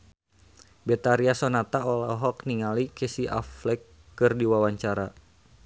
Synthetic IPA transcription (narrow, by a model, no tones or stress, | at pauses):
bɛt̪aɾiasɔnat̪aɔlɔɦɔk̚niŋalikesiʔa̰flɛkː | ɨrdiwawaɲt͡ʃaɾa